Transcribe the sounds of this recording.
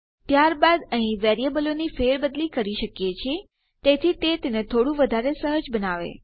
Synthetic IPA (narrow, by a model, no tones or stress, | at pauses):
t̪jaɾbad̪əɦĩʋɛɾijebəlonifeɾbəd̪likəɾiʃəkjet͡ʃʰie | t̪et̪ʰit̪et̪enet̪ʰoɽũʋəd̪ʱaɾesəɦəd͡ʒbənaʋḛ